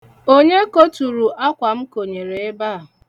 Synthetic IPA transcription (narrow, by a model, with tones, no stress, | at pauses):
o˦ɲe˦ko˦tu˨ɾu˨ʔa˦kʷa˨m̩˦ko˨ɲe˨ɾe˨e˦ba˦˨